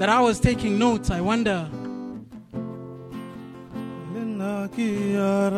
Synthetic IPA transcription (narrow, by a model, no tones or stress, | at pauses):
ðɨɾaɪwʌz̥tʰeɪkɪ̃ŋnoʊtsaɪwʌ̃ndə˞ | lenakiaɾ